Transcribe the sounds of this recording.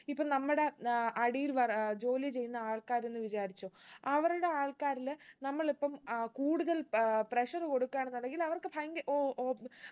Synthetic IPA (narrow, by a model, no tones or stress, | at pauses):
ipːoːnɐmːuɽe̞ɐɽijilʋɐrd͡ʑo̞ːlit͡ɕe̞jːunːɐaːɭkaːɾe̞nːɨʋit͡ɕaːɾit͡ɕːoɐʋɐɾuɽe̞aːɭkaːɾilnɐmːɐɭipːɐmkuːɽuðɐlpreʂɐrɨko̞ɽukːaːnɳenːuɳɖeŋɡilɐʋɐrkɨpʰɐjŋɡɐʔoː